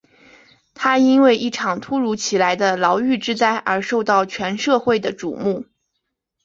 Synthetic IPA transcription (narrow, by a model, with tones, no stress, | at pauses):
t̪ʰa˥i˥nwe˥˧ɪʔi˥˩ʈ͡ʂʰɑ˨˩ŋt̪ʰu˥ɻu˧˥t͡ɕʰi˨˩la˧˥ɪd̪ə˧lɑ˧˥ʊy˥˩ʈ͡ʂɻ̩˥t͡sa˥˩ɪʔə˞˧˥ʂo˥˧ʊt̪ɑ˥˩ʊt͡ɕʰɥɛ˧˥nʂɤ˥˧xwe˥˩ɪd̪ə˩ʈ͡ʂṵ˨˩mu˥˩